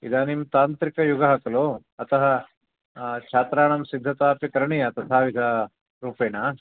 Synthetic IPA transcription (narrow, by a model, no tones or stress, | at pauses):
ḭd̪aːnimt̪aːnt̪ɾikɐjuɡɐɦɐkɐloː | ɐt̪ɐɦɐ | t͡ʃʰaːt̪ɾaːɳɐmsid̪ʱːɐt̪aːpikɐɾɐɳijɐt̪ɐt̪ʰaːʋid̪ʱaː | ɾuːpeːna